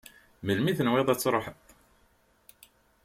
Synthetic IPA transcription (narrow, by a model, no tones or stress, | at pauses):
məlmiθənweðˤæt͡sːɾˤoħət̪ˤ